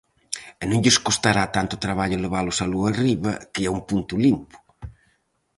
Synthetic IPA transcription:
ɛnõŋʎɪskost̪aɾat̪ant̪ʊt̪ɾaβaʎʊleβalʊsaloariβɐkɪaumpunt̪ʊlimpʊ̥

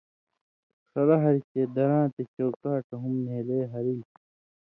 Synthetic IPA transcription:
xɐɾɐɦɐɾit͡ɕed̪ɐɾãːt̪et͡ɕoːkaːʈɐɦumneːleːɦɐɾi

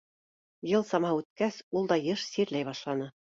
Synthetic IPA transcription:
jɤlˠsɑmɑʉt̪̚kæsulˠd̪ɑjɤʃsiɾlæjβɑʃlˠɑnɤ

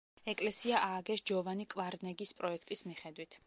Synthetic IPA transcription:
ɛkʼlɛsiaʔaːɡɛʃd͡ʒɔvanikʼvaɾnɛɡispʼɾɔɛkʰt̪ʼismiχɛd̪wit̪ʰ

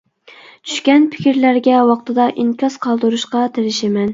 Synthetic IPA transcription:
t͡ʃʰy̥ʃkʲɛnpʰɪ̥kʲiɾlæɾɡʲɛwɑqt̪ʰɨd̪ɑʔiŋkʲɑsqʰɑlˠd̪ɨɾuʃqɑt̪ʰeɾɪʃɪmɛn

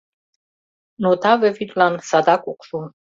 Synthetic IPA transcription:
nɔt̪ʰavɛfit̪ʼlansad̪akʼuqʰʼsu

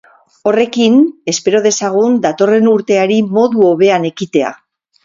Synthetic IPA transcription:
o̞re̞kine̞spe̞ɾo̞ð̞e̞saɣ̞und̪at̪o̞re̞nuɾt̪e̞aɾimo̞ðuo̞βe̞ane̞kit̪e̞a̰

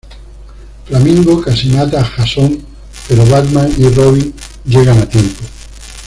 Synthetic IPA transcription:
flamĩŋɡokasinat̪axasoŋ | peɾoβad̪mãŋiroβiŋ | d͡ʒeɣanat̪je̞mpo

